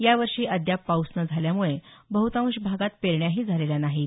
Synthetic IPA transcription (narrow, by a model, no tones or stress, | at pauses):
jaʋəɾʂiːʔəd̪japːawsnəd͡zʱaljamuɭebəɦut̪ãʋuɕbʱaɡat̪̚peɾɳjaɦiːd͡zʱaleljanaɦiːt̪